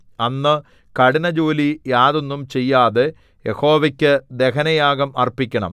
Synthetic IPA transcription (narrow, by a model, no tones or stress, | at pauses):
ɐnːɨ | kɐɽinɐd͡ʑo̞ːlijaːðo̞nːumt͡ɕe̞jːaːðe | jeho̞ːʋɐkʲːɨd̪e̞kɐnɐjaːɣɐmɐrpikʲːɐɳɐ̰m